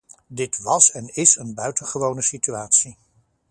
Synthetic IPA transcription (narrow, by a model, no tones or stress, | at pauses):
dɪtʋɑsɛnɪsənbœɥtənχəʋownəsityaːtsi